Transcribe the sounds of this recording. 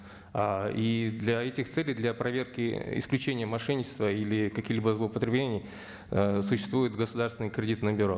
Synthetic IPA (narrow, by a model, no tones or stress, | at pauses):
aid̪lʲɐɛtʲɪxt̪sɛlʲɪjd̪lʲɐpɾɐvʲerkʲɪɪ̰sklʲʉt͡ɕenʲɪjəmɐʂɛnʲɪt͡ɕɪ̥st̪vəilʲɪkɐkʲixlʲibəzlˠəpət̪ɾʲɪblʲenʲɪj | sʊɕːɪst̪vujʊt̪ɡəsʊd̪arst̪vʲɪnɨjkɾʲɪdʲit̪nəbʲɪɾo